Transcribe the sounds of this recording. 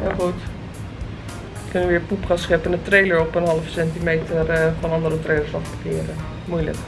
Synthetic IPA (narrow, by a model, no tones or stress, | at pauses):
jaxut | kønəəʋɪəpupxasxɪpənətreːləɹɔpənɦɑləfəsɛntimeːtʰərfɔnɑndərətreːləɹsɔfbəkɪəɾə | mujlə̰k